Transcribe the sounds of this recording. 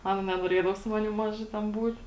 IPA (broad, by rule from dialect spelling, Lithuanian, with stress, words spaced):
ˈɑːnɐ nʲɛnoːˈrʲiɛdɐʋoː sʊ ˈmɑːnʲɪm ˈmɑːʒɐ tʲɛn ˈbuːt